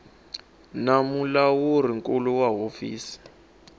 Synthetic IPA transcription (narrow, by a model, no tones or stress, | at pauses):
namulawur̤iŋkuluwaɦofḭːsi̥